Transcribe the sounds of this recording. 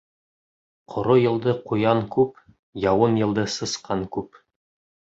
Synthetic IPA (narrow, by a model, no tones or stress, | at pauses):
qʰŏɾojɤ̆lˠd̪ɤqujɑŋkʉp | jɑwɤnjɤ̆lˠd̪ɤsɤ̆sqɑŋkʉp